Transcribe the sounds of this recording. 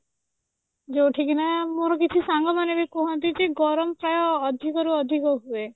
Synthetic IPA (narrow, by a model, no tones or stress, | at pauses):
d͡ʒoʈʰikinamoɾɔkit͡ʃʰisaŋɡɔmanebekɔɦɔnt̪̬id͡ʒeɡɔɾɔmɔpɾajɔːd̪ʱikɔɾuɔd̪ʱikɔɦue